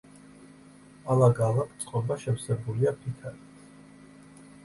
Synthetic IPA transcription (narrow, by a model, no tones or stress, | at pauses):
alaɡalˠakʰʼt̪sʼqʼɔbaʃɛfsɛbuliapʰit̪ʰaɾit̪ʰ